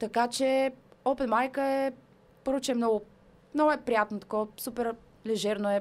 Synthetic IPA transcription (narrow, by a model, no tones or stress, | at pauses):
t̪ɐkat͡ʃɛɔpɛt̪majkəɛ | pɤɾvot͡ʃɛmnɔɡʊ | mnɔɡʊɛpɾijat̪not̪ɐ̥kɔsupɛɾ | lɛʒɛɾnoɛ